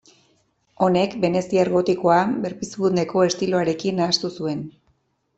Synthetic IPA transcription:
o̞ne̞kbe̞ne̞sieɾɣo̞t̪iko̞abe̞ɾpisβund̪e̞ko̞e̞st̪ilo̞aɾe̞kinaːst̪usue̞n

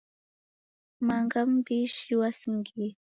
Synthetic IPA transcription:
mɑɴɢɑmpɪʃʃɪwasŋkɪ

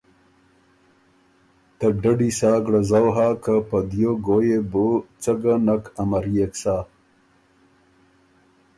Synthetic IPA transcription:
t̪ɐɖɐɖisaːɡɽazawɦaːkapad̪joɡojebot͡saɡanakʰɐmaɾijeksaː

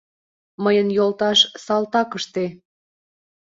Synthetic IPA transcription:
məjənjolt̪ɑʃsɑlt̪ɑkəʃt̪e

